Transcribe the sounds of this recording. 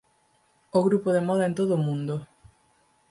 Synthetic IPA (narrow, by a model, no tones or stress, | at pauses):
oɣɾupoðemɔðɐent̪oðomũnd̪o